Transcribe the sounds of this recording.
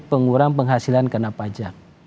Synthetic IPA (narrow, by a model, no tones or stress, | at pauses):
pəŋuɾaŋpəŋɦasilankənapad͡ʒak̚